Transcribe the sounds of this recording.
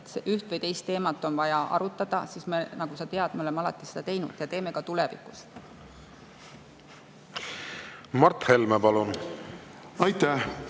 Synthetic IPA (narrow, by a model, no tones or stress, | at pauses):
seʔyht̪vɨjt̪e̞jst̪ːe̞ːmɑt̪ːˑo̞nvɑjɑʔɑ̰ɾut̪ːˑɑd̪̥ɑsiːsmenɑɡ̥usɑt̪e̞ɑd̪̥meo̞le̞mːɑlɑt̪ˑːised̪̥ɑt̪e̞jnṵd̪̥jɑt̪e̞ːme̞kɑt̪ulevḭkust̪ | mɑɾt̪he̞lmepɑlun | ɑjt̪æh